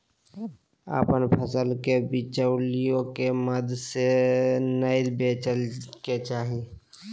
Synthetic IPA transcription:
a̰ːpənpʰəsəlkebɪt͡ʃəwlijõkeməd̪ʱsenəɪlbeːt͡ʃəlket͡ʃaːɦi

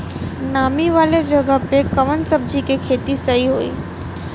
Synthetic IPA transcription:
namiʋaled͡ʒəɡapekəʋənsəb̚d͡ʑʱikekʰet̪isəɦiɦoḭː

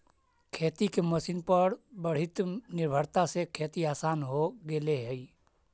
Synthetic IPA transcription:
kʰeːt̪ikeməsinpəɾbəɽ̤ɪt̪nɪɾbʱəɾt̪asekʰeːt̪iaːsaːnɦoɡeleɦɛ

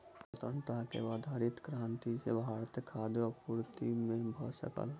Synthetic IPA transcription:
pət̪ɾənt̪akḛʋaːd̪ʱaːɾɪt̪kɾãːnt̪isḛbʱaːɾt̪ekʰaːd̪eɔpuɾt̪imẽbʱə̰sə̰kə̰l

